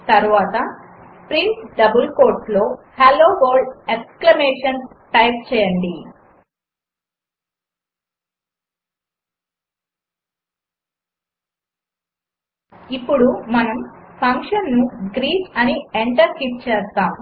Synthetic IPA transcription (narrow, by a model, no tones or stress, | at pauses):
t̪ɐɾuʋaːt̪ɐ | pɾinsɖɐbulko̞ːɾʈlo̞ːhɐloːɡoːɖeksklɐmeːʂɐns | ʈɐjp̚t͡ʃɛːjɐɳɖi | ipːuɽumɐnɐmpʰɐŋkʂɐnːuɡɾiːt͡ʃɐnieɳʈɐɾkiʈ̚t͡ʃɛːst̪aːm